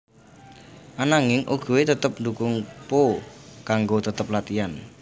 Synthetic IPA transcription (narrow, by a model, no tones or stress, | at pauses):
ʔanaŋɪŋʔuɡ̥ṳwet̪ət̪əp̚ndukʊŋpokaŋɡot̪ət̪əp̚lat̪ian